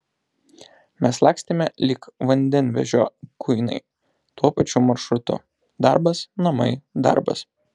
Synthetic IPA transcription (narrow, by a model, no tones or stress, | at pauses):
mʲɛslˠɑːksʲt̪ʲemʲɛlʲiːkʋɐnʲd̪ʲɛnʲʋʲɛ̰ʒʲoːkʰʊɪnɐ̰ɪ | t̪uɔpɐt͡ʃʲʊmɐɾʃɾʊt̪ʊ̰ | d̪ɑ̰ɾbɐsnɐmɐɪd̪ɑ̰ɾbɐ̰s